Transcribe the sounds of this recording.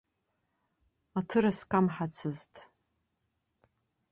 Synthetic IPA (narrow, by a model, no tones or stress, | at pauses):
atʰɨɾaskʼamħat͡sʰɨztʼ